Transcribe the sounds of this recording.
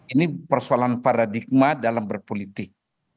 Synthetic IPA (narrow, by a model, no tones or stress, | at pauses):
inipərsoalanpaɾadik̚madalambərpolit̪ɪk̚